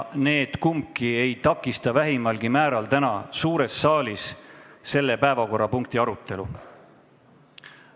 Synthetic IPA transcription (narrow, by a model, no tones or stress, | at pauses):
ne̞ːd̪̥kumkːie̞jt̪ɑkːˑist̪ɑvæɦimɑlɡ̥imæːɾɑlt̪ænɑsuːɾe̞sːɑːlisse̞lːe̞pæe̞vɑko̞rːɑpuŋk̚t̪iɑɾut̪ːˑe̞lṵ